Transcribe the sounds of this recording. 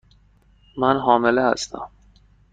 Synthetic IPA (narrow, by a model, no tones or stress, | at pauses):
mænɦɒːmelehæ̰st̪ʰæ̰m